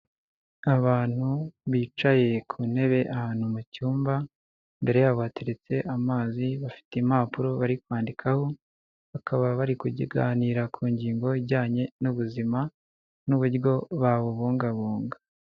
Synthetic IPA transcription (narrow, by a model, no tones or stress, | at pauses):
aβaːn̥huβiːt͡ʃaje̞kʰune̞βe̞ʔahaːn̥humucuːmba | mbe̞ɾe̞jaβateɾet͡se̞ʔamaːziβafi̥teimapuɾo̞βaɾikwaːndikʰaho̞ | βakʰaβaβaɾikuɟiɡaːniːɾakʰuːɲɟiːŋɡo̞iβɟaːɲe̞nuβuzima | nuβuɾjo̞βaβoβuːŋɡaβuːŋɡa